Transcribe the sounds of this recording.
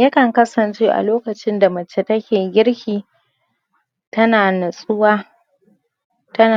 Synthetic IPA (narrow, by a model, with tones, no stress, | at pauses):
jɐ˦kɐ˨ŋkɐ˦sɐ˨nt͡ʃeː˦ʔa̰˨loː˦kɐ˨t͡ʃɪ˦nda˨mɐ˨t͡ʃe˨tɐ˦kʲeː˨ɡʲɪ˦ɽhʲiː˨ | tɐ˦naː˨nɐ˨sʼʊ˦waː˦ | tɐ˦na˨